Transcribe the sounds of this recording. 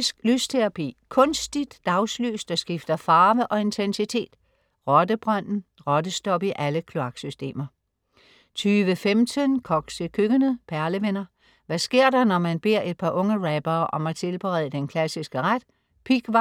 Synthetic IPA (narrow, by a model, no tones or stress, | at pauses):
sɡ̥lyst͡sʰeʁɑpʰḭːkʰɔ̽nsd̥id̥ːɑ̈ʊslø̰ːsd̥ɑsɡ̥ifd̥ɐfɑ̈ːʋəʔɒ̽e̝nt͡sʰensit͡sʰe̝̰ːd̥ | ʁɒ̽d̥əb̥ʁɑn̰n̩ʁɒd̥əsd̥ɒ̽b̥iʔæləkʰlo̝ɑ̈ɡ̥sysd̥e̝̰ːmɐ | t͡sʰyːʋəfemt͡sʰənkʰɒ̽ɡ̥səkʰøɡ̥ənəpʰæɐləʋenɐ | ʋæsɡ̥e̝ɐ̰d̥ɑ̈nɒmænb̥e̝ɐ̰e̝d̥̚pʰɑ̈ʔɔ̽ŋəʁɛb̥ɐːʔɒ̽mæt͡sʰe̝lb̥əʁɛ̰ðˠəd̥enkʰlæsisɡ̥əʁad̥ | pʰiɡ̥ɑ